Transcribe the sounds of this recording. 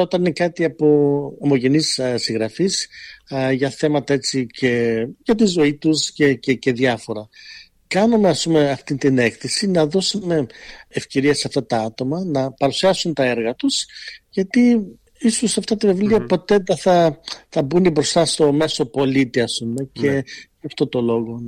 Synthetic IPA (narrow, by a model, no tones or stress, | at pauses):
o̞t̪ɐninekɐt̪iɐpo̞ɐmo̞ʝe̞nissiŋɣɾɐfis | ʝɐθe̞mɐt̪ɐe̞t͡sicʰe̞ʝɐt̪izo̞it̪uscececeðjɐfo̞ɾɐ | kɐnumeɐspume̞ɐft̪int̪ine̞kθisinɐðo̞sume̞ːfce̞ɾieseɐft̪ɐt̪ɐɐt̪o̞mɐnɐpɐɾusiɐsunt̪ɐeɾɣɐt̪usʝɐt̪i | isusɐft̪ɐt̪ivevliɐpo̞t̪e̞ðɐθɐθɐbunibɾo̞st̪ɐst̪o̞me̞so̞po̞lit̪iɐspume̞cʰe̞ʝɐft̪o̞t̪o̞lo̞ɣo̞